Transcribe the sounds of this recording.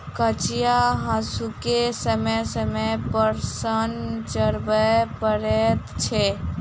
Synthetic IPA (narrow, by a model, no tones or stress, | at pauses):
kət͡ʃijaɦãsukesəməsəmepəɾsənt͡ʃəɾbəpəɾet̪t͡ʃʰɛ